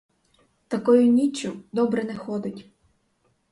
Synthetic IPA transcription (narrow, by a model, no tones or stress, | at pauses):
t̪ɐkɔjʊnʲit͡ʃʲːʊd̪ɔbɾɛnɛxɔd̪ɪtʲ